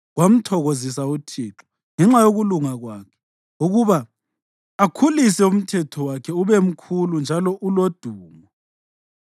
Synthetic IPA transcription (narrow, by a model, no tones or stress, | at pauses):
ɣwam̩tʰɔɣozis̬autʰiːǁɔ̥ | ŋɛŋ͡ǁajoɣuluŋaɣwaːkʰɛ̥ | uɣuβaː | kʰulisɛum̩tʰɛtʰɔwakʰɛuβem̩kʰulund͡ʒʱalɔʔulod̥ʱuːmɔ